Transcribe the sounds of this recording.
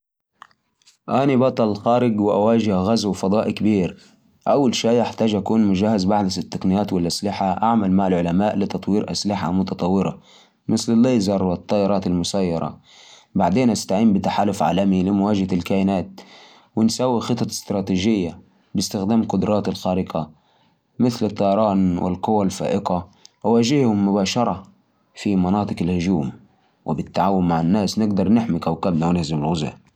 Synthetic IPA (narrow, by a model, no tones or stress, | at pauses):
ʔanibɑt̪ˤɑllxaːɾɪɡwɪʔa̰waːʒɪhɣazwɪfɑd̪ˤɑːʔikabiːɾ | ʔawːalʃaːʔaħt̪aːd͡ʒʔakuːnmʊd͡ʒahːazbaʕd̪asɪt̪ːaqnɪjaːt̪wɪlʔaslɪħaʔaʕmalmaʕalʕʊlamaːʔlɪt̪ɑt̪ˤwiːɾʔa̰slɪħa̰mʊt̪ɑt̪ˤɑwːɪɾɑ̰ | mɪslɪlːaːjzɑrˤːwt̪ˤːɑːʔɪɾˤɑːt̪almʊsajːɑɾˤɑ̰ | baʕd̪eːnʔast̪aʕiːmbɪt̪aħaːlʊfʕa̰ːlamilɪmwaːd͡ʒhalkaːʔɪnaːt̪̚ | wɪnsaːwixɨt̪ˤːɑɪ̥st̪ɾˤɑːt̪iːʒɪjːa | bɪst̪ɪxd̪aːmqʊd̪ɾˤɑːt̪ɪlxaːɾɪqa | mɪθlɨt̪ˤːɑjɑɾˤɑːnwɪ̰lqʊwalfa̰ːʔɪqaʔawaːd͡ʒɪhhʊmːʊbaːʃɑɾˤɑ | fimɑnɑːt̪ˤɨqɪlhʊd͡ʒuːm | wɪ̰bɪt̪ːaʕaːwʊnmaʕanːaːsnɪɡd̪ɑɾˤnɪħmikawkabnawnɪhzɪmɪlɣʊza̰